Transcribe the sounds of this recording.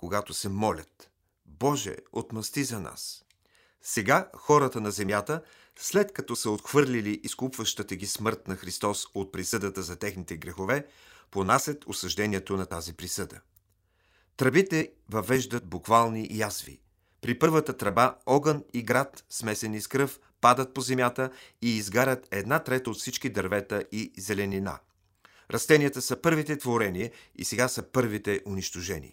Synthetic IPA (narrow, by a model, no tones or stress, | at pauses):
koɡat̪osɛmɔlʲət̪ | bɔʒɛ̰o̰t̪mɐst̪izɐna̰s | sɛɡaxɔɾət̪ənɐzɛmjat̪ə | slɛt̪kɐt̪ɔsəot̪xv̥ɤɾlʲiliʔiskupvəʃt̪ət̪əɡʲismɤɾt̪nɐxɾist̪ɔsot̪̚pɾisɤd̪ət̪əzɐt̪ɛxnit̪ɛɡɾɛxovɛ | ponasət̪osɐʒd̪ɛniɛt̪onɐt̪azipɾisɤd̪ə̰ | t̪ɾɐbit̪ɛvɐvɛʒd̪ət̪̚bukvalˠniʔjazvḭ | pɾipɤɾvət̪ət̪ɾɐbaɔɡəniɡɾat̪smɛsɛniskɾɤf | pad̪ət̪̚pozɛmʲjat̪əiːzɡaɾʲət̪ɛd̪nat̪ɾɛt̪əot̪fsit͡ʃkid̪ɐɾvɛt̪əizɛlɛnina̰ | ɾʔɐst̪ɛniət̪əsəpɤɾvit̪ɛt̪voɾɛniəḭsɛɡasəpɤɾvit̪ɛʔʊniʃt̪oʒɛnḭ